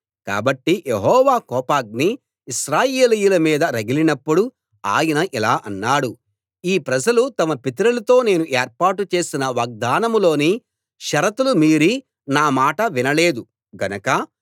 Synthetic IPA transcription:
ka̰ːbɐʈːijeɦɔːʋaːkɔːpaːɡ̚niː | ʃɾaːjeːlijulɐmiːd̪ɐɾɐɡilinɐpːuɽu | a̰ːjɐnɐʔilaːʔɐnːaːɽu | iːpɾɐd͡ʒɐlut̪ɐmɐpit̪ɾɐlɐt̪o̞ːne̞ːnuʔeːɾpaːʈut͡ʃe̞ːsinɐʋɐɡ̚d̪aːnɐmlo̞ːni | ʃɐɾɐt̪ulumiːɾi | naːmaːʈɐʋinɐle̞ːd̪u | ɡɐnɐkɐ

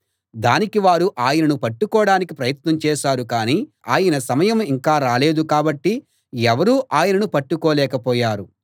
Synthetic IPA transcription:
d̪aːnikiʋaːɾuʔaːjɐnɐnupɐʈːukɔːɽaːnikipɾɐjɐt̪nɐmt͡ʃɛːʃaːɾukaːni | aːjɐnɐsɐmɐjɐmiŋkaːɾaːleːd̪ukaːbɐʈːi | ɛʋɐɾuːʔaːjɐnɐnupɐʈːukɔːlɛːkɐpɔːjaːɾu

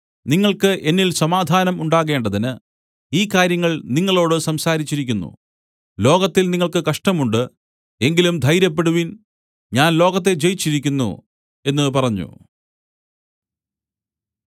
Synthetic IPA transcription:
niŋːɐɭkɨʔe̞nːilsɐmaːd̪ʱaːnɐmuɳɖaːɣe̞ːɳɖɐðinɨ | iːkːaːɾjɐŋːɐɭniŋːɐɭo̞ːɽɨsɐmsaːɾit͡ɕːiɾikʲːunːṵ | lo̞ːɣɐt̪ːilniŋːɐɭkɨkɐʂʈɐmuɳɖɨ | e̞ŋɡilumd̪ʱɐjɾjɐpːe̞ɽuʋin | ɲaːnlo̞ːɣɐt̪̬ːe̞t͡ɕe̞jit͡ɕːiɾik̬ʲːunːṵ | e̞nːɨpɐrɐɲːṵ

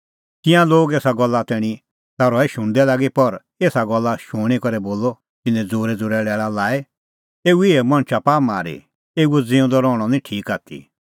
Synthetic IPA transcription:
t̪ɪ̃ãloːɡeːsaɡɔlːat̪ɛːɽ̃i | t̪aɾɔɛʃʊ̃ɳ̃d̪ɛlaːɡipɐɾ | eːsaɡɔlːaʃʊɽ̃ikɔɾɛboːlɔ | t̪ɪnɛ̃d͡zoːɾɛd͡zʊːɾɛːɽɛːɭalaːɛ | eːuɪɛmɐ̃ñt͡ʃʰapaːmaːɾḭ | eːuɛd͡zɪ̃ːũd̪ɔɾɔːɽ̃ɔnĩʈʰiːkaːt̪ʰḭ

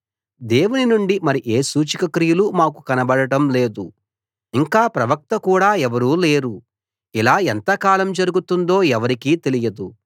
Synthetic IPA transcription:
d̪e̞ːwuninuɳɖimɐɾiʔeːsuːt͡ʃikɐkɾijulumaːkukɐnɐbɐɽɐʈɐmle̞ːd̪u | iŋkaːpɾɐʋɐk̚t̪ɐkuːɽaːɛʋɐɾuːle̞ːɾu | ilaːɛnt̪ɐkaːlɐmd͡ʒɐɾuɡut̪und̪o̞ːɛʋɐɾikiːt̪e̞lijɐd̪u

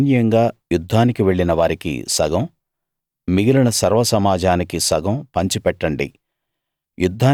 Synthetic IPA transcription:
njɐŋɡaːjud̪ʱːaːnikiʋe̞ɭːinɐʋaːɾikḭsɐɡɐm | miɡilɐɳɐsɐɾʋɐsɐmaːd͡ʒʱaːnikisɐɡɐmpɐɲt͡ʃipɛʈːɐɳɖḭ | jud̪ʱːaː

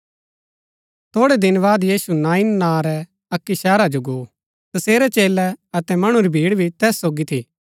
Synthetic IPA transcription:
t̪ʰoːɽɛd̪ɪnbaːd̪jiːsunãːɪnːãːɾɛ | ɐkːisɛːɾad͡ʒoɡo | t̪ɐseːɾɛt͡ʃeːlɛɐt̪ɛmɐɽ̃uɾibʱiːɽbʱit̪ɛːsːoːɡit̪ʰi

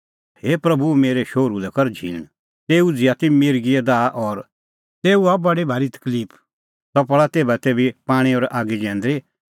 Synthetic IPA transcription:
heːpɾɐbumeːɾeʃoːɾulɛkɔɾd͡ʒʱḭ̃ːñ | t̪eːud͡zɪat̪imɪːɾɡiɛd̪aːʔɔɾ | t̪eːuabɐɽibʱaːɾit̪ə̥kliːpʰ | t̪ɔpɭat̪eːbat̪eːbipaːɽ̃iɔɾaːɡid͡ʒɛ̃ːnd̪ɾi

